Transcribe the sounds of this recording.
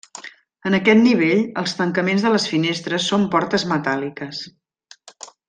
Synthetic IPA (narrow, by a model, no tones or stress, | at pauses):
ənəkɛt̪̚niβ̞eʎəlˠst̪əŋkəmenzðələsfinest̪ɾəsːompɔɾt̪əzmət̪alikəs